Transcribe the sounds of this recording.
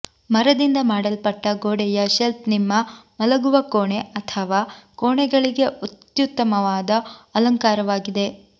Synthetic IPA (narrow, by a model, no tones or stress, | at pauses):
mɐɾɐd̪ind̪ɐmaːɽɐlpɐʈːɐɡoːɽɛjɐʃelp̚nimːɐmɐlɐɡuʋɐkoːɳeɐt̪ʰɐʋaːkoːɳɛɡɐɭiɡe̞ʔut̪jut̪ːɐmɐʋaːd̪ɐɐlɐŋkaːɾɐʋaːɡid̪e̞